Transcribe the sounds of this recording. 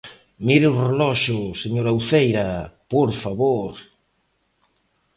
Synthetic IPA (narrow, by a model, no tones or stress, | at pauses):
miɾeurelɔʃʊseɲoɾawθejɾapoɾfaβoɾ